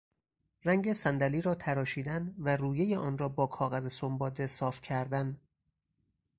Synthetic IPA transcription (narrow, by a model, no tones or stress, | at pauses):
ræŋɡesænd̪æliːɾɒːt̪ʰæɾɒːʃiːd̪ænværuːjejeʔɒːnɾɒːbɒːkʰɒːɣæzesombɒːd̪e̞sɒːfcʰæɾd̪æn